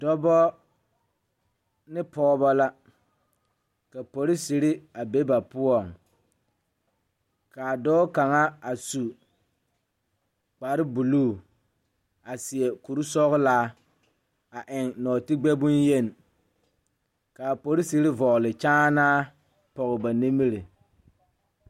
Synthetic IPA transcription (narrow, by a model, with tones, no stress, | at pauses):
dɔ˦bɔ˦ | nɪ˦pɔː˦bɔ˦la˦ | ka˨po˨ɾɪ˦si˨ɾɪ˦a˨be˦ba˨pʊ˦ɔ˨ŋ | ka˨dɔː˦ka˨ŋa˦a˨su˨ | k͡pa˨ɾɪ˦bu˨luː˦˨ | a˨sɪ˨ɛ˨ku˨ɾu˦sɔ˦ɣʊ˦laː˦ | a˨ʔɪ˨ŋnɔː˨tɪ˦ɡ͡bɛ˦bʊ˦nje˦˨n˨ | ka˨po˨ɾɪ˦si˨ɾɪ˦vɔ˨lɪ˨t͡ʃaː˦naː˦ | pɔ˨ɣɪ˨ba˨ni˦mi˦ɾi˨